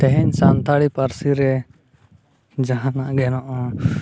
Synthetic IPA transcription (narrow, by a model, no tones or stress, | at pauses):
t̪ɛɦɛɲsant̪ʰaɽipaɾsiɾɛ | d͡ʒaɦãnaʔɡɛnɔʔɔ